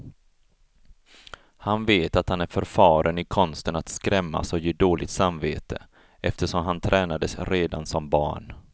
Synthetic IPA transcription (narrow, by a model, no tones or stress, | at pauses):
hanveːt̪at̪hanæɾfœɾfɑːɾʔənɪkʰɔnst̪ənat̪skɾɛmːa̰sɔjeːd̪oːlɪt̪samveːt̪ə | ʔɛft̪əʂɔmɦant̪ʰɾʔɛːnad̪əsɾeːd̪ansɔmbɑ̰ːɳ